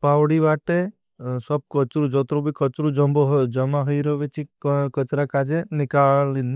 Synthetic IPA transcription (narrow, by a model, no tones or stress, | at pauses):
pawɽiʋaʈe | sɔb̚kɔt͡ʃɾud͡ʒɔt̪ɾobʱikɔt͡ʃɾud͡ʒɔmboɦd͡ʒɔmaɦɔjɾɔʋet͡ʃʰikət͡ʃɾakad͡ʒenɪkalini